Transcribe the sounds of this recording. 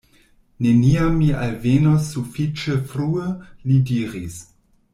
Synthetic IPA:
ne̞niamːialvenosːufit͡ʃefɾuəlidiɾis

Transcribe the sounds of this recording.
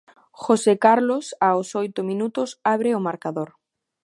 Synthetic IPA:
xosekaɾlosaosojt̪omĩnut̪osaβ̞ɾeomaɾkaðoɾ

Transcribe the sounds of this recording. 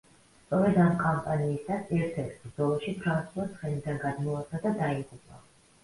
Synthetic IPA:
t̪sʼɔɾɛd̪amkʼampʼaniːsasɛɾt̪ʰɛɾt̪ʰbɾzɔlˠɔʃipʰɾansulˠat̪sʰχɛnid̪anɡad̪mɔaad̪ad̪aiʁupʼa̰

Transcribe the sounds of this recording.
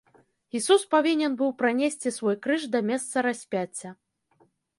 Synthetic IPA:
isuspavʲinʲɛnbɨwpɾanʲesʲt͡sʲisvɔjkɾɨʂd̪ɐmʲɛst̪sɐɾasʲpʲat͡sʲːɐ

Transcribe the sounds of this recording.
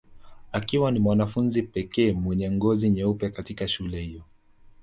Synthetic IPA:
akiwanimwanafunzipɛkɛːmwɛɲɛŋɡɔziɲɛupɛkatikaʃulɛhijɔ

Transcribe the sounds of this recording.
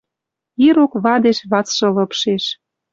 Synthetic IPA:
iɾokβɑd̪eʃβɑt͡sʃɤ̆lɤpʃeʃ

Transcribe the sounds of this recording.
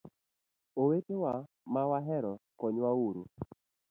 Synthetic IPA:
owetewa | mawaɦɛɾɔkɔɲwauɾu

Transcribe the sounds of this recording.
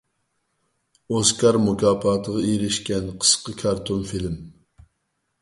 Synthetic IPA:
oskʰɑɾmukʰʲɑːpʰɑːt̪ʰəʁɑiɾɪʃkʲɛnqʰə̥sqəkʰɑɾt̪ʰonfilm

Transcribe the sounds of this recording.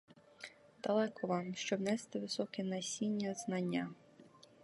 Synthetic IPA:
d̪̥ɐlˠɛkɔʋɑmʃt͡ʃɔbnɛst̪ɪʋɪsɔkɛnɐsʲinʲːɐznɐnʲːa

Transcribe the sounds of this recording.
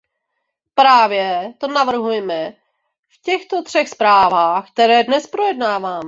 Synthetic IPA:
pɾaːvjɛt̪o̞navr̩ɦujɛmɛ | fcɛxt̪o̞t̪r̥ɛxspɾaːvaːxk̚t̪ɛɾɛːdnɛspɾo̞jɛdnaːvaːmɛ

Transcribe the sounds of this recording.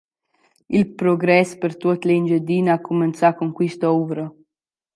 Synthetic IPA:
ilpɾoɡɾɛspert̪ut̪leind͡ʒed̪iːnakːument̪sakuŋkwist̪uːɾə

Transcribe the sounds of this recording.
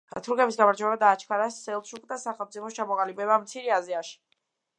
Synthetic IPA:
a̰t̪ʰuɾɡɛbisɡamaɾd͡ʒwɛbad̪aːt͡ʃʰkʰaɾasɛlˠʃukʰʼd̪asaχɛlˠmt̪sʼipʰɔst͡ʃʰamɔʁʼalibɛbamt̪sʰiɾiaziaʃi̥

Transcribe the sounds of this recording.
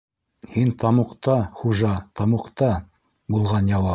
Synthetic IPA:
hint̪ɑmuqt̪ɑχuʒɑt̪ɑmuqt̪ɑ | bulˠʁɑnjɑwɑ

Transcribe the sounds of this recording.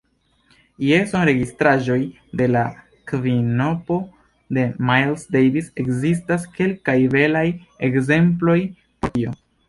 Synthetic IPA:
jesonɾe̞ɡistɾaʒo̞j | de̞la | kvino̞po̞ | de̞majlsdejvise̞kzis̬taske̞lkajve̞laje̞kze̞mplo̞j | poɾio̞

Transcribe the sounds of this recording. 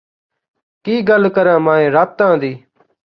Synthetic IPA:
kiːɡəlkəɾãːmãːẽːɾaːp̚t̪ãːd̪iː

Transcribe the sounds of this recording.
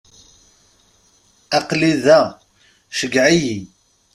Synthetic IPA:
æqliðæ | ʃəɡʕiji

